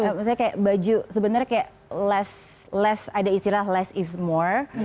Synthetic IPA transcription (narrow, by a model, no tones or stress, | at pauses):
əmisaakajaʔbad͡ʒusəbənarɲakajaʔ | lɛs | lɛsadaist̪ilaɦlɛsɪsmɔr